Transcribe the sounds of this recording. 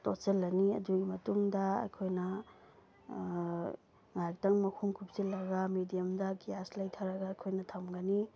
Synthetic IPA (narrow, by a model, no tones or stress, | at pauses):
toselːɐniɐ̰duɡimɐtuŋdɐɐ̰jkʰojnɐ | ŋaɾtɐŋmɐkʰuŋkʰup̚silːɐɡɐmidijɐmdɐkijaslɐjtʰɐɾɐɡaːjkʰojnɐtʰɐmɡɐni